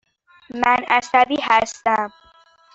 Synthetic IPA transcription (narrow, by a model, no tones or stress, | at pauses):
mænæsæd̪ihæst̪æm